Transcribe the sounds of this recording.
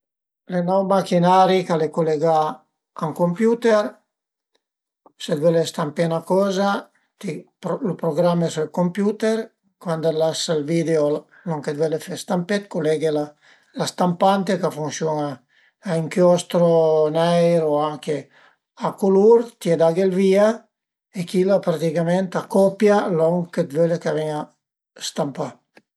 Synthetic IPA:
lenɔwmakinaɾikalekoleɡa | aŋkompjut̪eɾ | sed̪vɛlest̪ampenakɔza | t̪i | lupɾoɡɾamːesuelkompjut̪eɾ | kwand̪alasalvid̪eo | noŋked̪welefest̪ampet̪kolɛɡela | last̪ampant̪ekafuŋsjɔnaː | iŋkjɔst̪ɾonɛjɾoaŋke | akuluɾt̪jed̪aɡelvia | ekilapɾat̪ikamɛnt̪akɔpjalɔŋked̪vølekavɛɲa | st̪ampa

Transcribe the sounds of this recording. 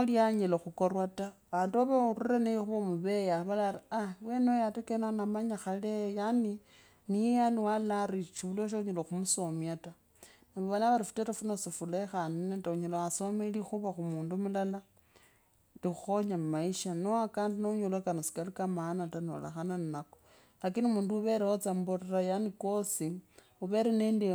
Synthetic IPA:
oljaɲeloxukorwataβaːnduaβaurirenexuβomuβejaβalariawenejatekenanamaɲaxalejani | nijejaniwalaɾit͡ʃuβuloʃ̬oɲeloxumusomjata | naβoβalaβaɾifu̥teɾefunosifulexaninetauɲelowasomelixuβaxumuːndumulala | lixuxoɲammaiʃanoakaːndinouɲolokanosi̥kalikamanatano̰la̰xananinako | lakiniumuːnduuβe̞ɾewot͡samborerajaniko̞si | uβeɾenendi

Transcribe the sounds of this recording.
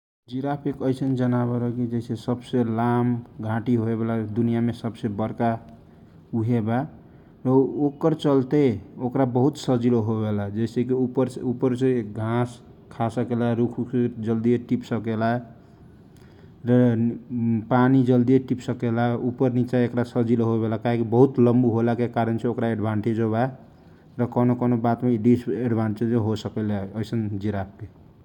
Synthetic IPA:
d͡ʒiɾapʰekəjsənd͡ʒənaβeɾəkid͡ʒeɪsesəbselamɡʱãʈiɦoebelad̪unijamesəbsebəɾka | uɦeba | ɾəokəɾt͡ʃəlt̪eokɾabəɦut̪səd͡ʒiloɦobelad͡ʒeɪsekiupəɾupəɾseɡʱãs | kʰasəkelaɾukʰued͡ʒəld̪ijeʈipsəkela | ɾ | panid͡ʒəld̪ijeʈipsəkelaupəɾnit͡ʃaekɾasəd͡ʒiloɦobelakaɦekibəɦut̪ləmbuɦolakekaɾənt͡ʃʰeokɾaeɖbʱaɳʈed͡ʒɦoβa | ɾəkənokonobat̪meɖiseɖbʱaɳʈed͡ʒmeɦosəkɛleəɪsənd͡ʒiɾap̚ke

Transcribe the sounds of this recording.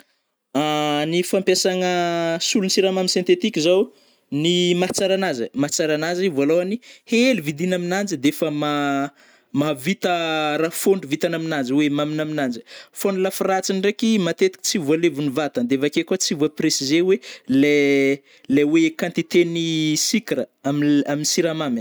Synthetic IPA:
anifampesaŋəsulunsiɾamaminsjẽnt̪et̪ikʲizaw | nimat͡saɾanazəmat͡saɾanazivualowanihelivid̪inaminand͡ʒəd̪eefəma | mavit̪əɾafoɳɖ͡ʐuvit̪anaminand͡ʒwemaminaminand͡ʒə̥fonulafirat͡sinirekimat̪et̪i̥kʲt͡sivualevunivat̪and̪eevakekat͡sivuapresizewele | lewekãnt̪it̪enisikɾəamaminisiɾamam

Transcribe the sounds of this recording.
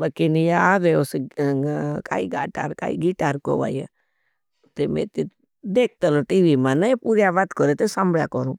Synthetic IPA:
bəkinjaaːʋeose | ka̰ːḭɡaːʈa̰ːɾka̰ːḭɡiʈaːɾko̰ʋa̰ːje | t̪emḛ̃t̪e | d̪eːk̚t̪əloʈiːʋimãnaepuɾjaʋat̪kɔɾet̪esambɭja̰kɔɾũː

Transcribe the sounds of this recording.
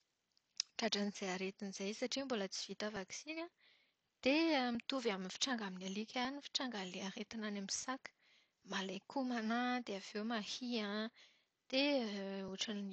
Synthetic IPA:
ʈ͡ʂaʈ͡ʂaniz̥ejaɾet̪iniz̥ajsaʈ͡ʂimbolət͡si̥v̥it̪avaksina | d̪̥eamit̪uvaminifi̥ʈ͡ʂaŋɡaminalikʲanifi̥ʈ͡ʂaŋɡaleaɾet̪inanamisakə̥ | malekumanad̪eavewmahiã | d̪̥euʈ͡ʂann

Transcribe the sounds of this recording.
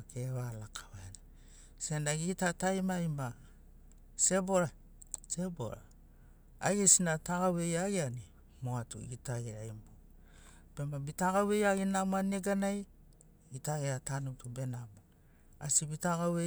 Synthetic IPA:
keβalakʰaβana | se̞naɡitatajmajma | se̞bo̞ɾa | se̞bo̰ɾa̰ | aɡesinataɡawe̞jaɡiani | moatṵitaɡiɾajmbo | b̥e̞mabitaɡawe̞jaɡinamoaneɡanaj | itaeatanutube̞namo | a̰sibitaɡawe

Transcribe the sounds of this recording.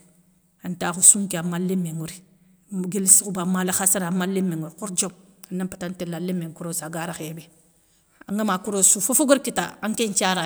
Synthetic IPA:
antaːxusuŋkiamalːimːeŋuɾi | ɡelsikubamalaxasaɾamalːimːeŋuɾkuɾd͡ʒomanːampatantelalemːeŋkuɾosaɡaɾaxebe | a̰ŋɡamakuɾosufofoɡoɾkitaaŋkeɲt͡ʃaɾa

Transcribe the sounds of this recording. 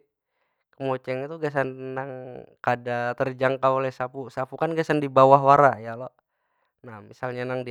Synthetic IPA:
kəmot͡ʃɛŋit̪uɡas̬annaŋkadat̪ərd͡ʒaŋkaolɛhsapusapukanɡasandibawaɦwaɾajalɔ | namːisalɲanaŋdi

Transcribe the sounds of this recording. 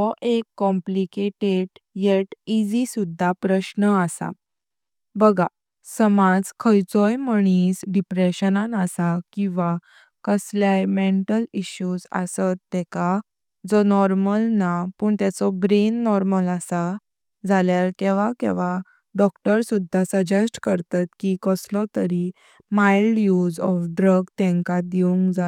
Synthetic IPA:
ɔʔekːɔ̃mplikeʈeɖjeʈid͡zisud̪ʱːapɾəɕnəasa̰ | bəɡa | səmad͡zkʰəjt͡sɔjməɽ̃iːsɖipɾeɕənanasakĩw̃ʋa | kəsljajmeɳʈəliɕjud͡za̰sət̪ːɛka | d͡zɔnɔɾməlnapəːɳt̪at͡sɔbɾenːɔɾməlasa | d͡zʱaljalk̪ɛ̃ʋakḛ̃ʋa | ɖɔkʈəɾsud̪ʱːasəd͡ʑəsʈkəɾt̪at̪kikəslɔ̃t̪əɾi | majlɖjud͡zɔfɖɾəɡt̪ɛ̃ŋkad̪iũŋkd͡za

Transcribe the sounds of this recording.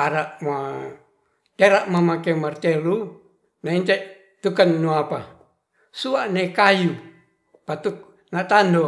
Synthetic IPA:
aɾaʔma | t̪eɾaʔmamakemart̪elu | naint̪eʔ | t̪ukanːuapa | suaʔnekaju | pat̪uk̚ | nat̪ando

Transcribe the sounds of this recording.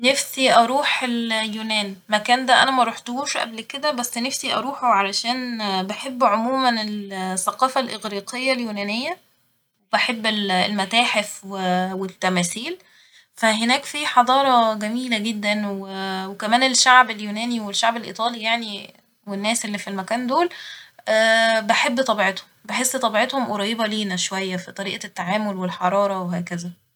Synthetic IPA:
nefsiʔɑɾˤuːħeljuːnæːnmækæːnd̪æʔæ̰næmæɾˤuħt̪ohuːʃʔæ̰blked̪æbæsːnefsiʔɑɾˤuːħoʕalæʃæːnbeħebːʕomuːmænelθːæqɑːfælʔeɣɾiːqejːæljuːnæːnejːæ | webeħebːellmæt̪æːħefwewet̪ːæmæːθiːl | fæɦenæːkfiħɑd̪ˤɑːɾˤɑɡæmiːlæɡed̪ːænwewekæmæːneʃaʕbeljuːnæːniwelʃːaʕbelʔḭːt̪ˤɑːlijaʕni | wenːæːsʔelːifilmækæːnd̪oːlʔæːbeħebːt̪ˤɑbiʕet̪hombeħesːt̪ˤɑbiʕet̪homʔoɾˤɑjːebɑliːnæʃowæjːæfit̪ˤɑɾiːʔæt̪ːaʕaːmolwelħɑɾˤɑːɾˤɑweɦæːkæzæ

